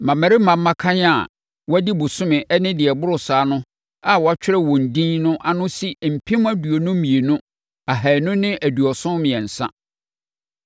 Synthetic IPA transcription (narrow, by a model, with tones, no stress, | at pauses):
mã˨mæ̃˨ɾɪ˦mã˨mː˦ã˦kʰã˦ɲ˦a˨ | wɔ˦æ˦di˦bʊ˨sʊ̃˦mɪ̃˨ʔɛ˦nɪ̃˦dɪ˨ɛ˨bʊ˦ɾʊ˨saː˨˦nʊ̃˦ | a˨wɔ˨a˦t͡ɕᶣɪ˦ɾɛ˦wɔ̃˨n̩˨dĩ˦nnʊ̃˦ʔa˦˨nʊ̃˦si˦m̩˨pʰĩ˦m˦æ˦du˨o˨nʊ̃˦mĩ˨e˨nʊ̃˦ | a˨ɦæ˨nʊ̃˦nɪ̃˦ʔæ˨du˨ɔ˨sʊ̃˦mɪ̃˨ɛ̃˨n̩˨sã̰˦